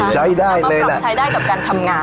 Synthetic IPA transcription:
sa˨˦jɗaː˧˩jle˧˩˨lːsaː˨˦jɗaː˧˩jka˨˩p̚kaː˧˩nt̪ʰə˧mŋaː˨˩

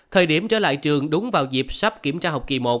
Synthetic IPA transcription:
t̪ʰəː˨˩jɗi˧˩əmt͡ɕə̰ː˧˩la̰ː˧˨jt͡ɕɨ˨˩əŋɗʊ˨˦ŋ͡mvaː˨˩wzi˨˩p̚sa˦˥p̚ki˧˩əmt͡ɕaː˧ɦə˨˩wk͡p̚ki˨˩mo˨˩t̚

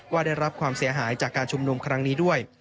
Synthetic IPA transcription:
waː˥˩daː˥˩jɾa˦˥p̚kʰwaː˧msi˨˩˦ɐɦaː˩˦jt͡ɕaː˨˩kːaː˧nt͡ɕʰu˧mnu˧mkʰɾa˦˥ŋniː˦˥du˥˩əj

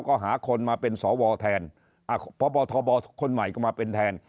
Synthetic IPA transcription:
wkɔː˥˩ɦaː˩˦kʰo˧nmaː˧pe˧nsɔː˩˦wɔː˧t̪ʰɛː˧n | ʔa˧˩pʰɔ˦bɔː˧t̪ʰɔː˧bɔː˧˦kʰo˧nma˨˩jkɔː˥˩maː˧pe˧nt̪ʰɛː˧n

